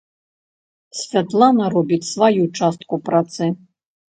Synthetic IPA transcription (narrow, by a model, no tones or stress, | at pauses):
sʲfʲat̪lˠanɐɾɔbʲit͡sʲsvajut͡ʂast̪kupɾat̪sɨ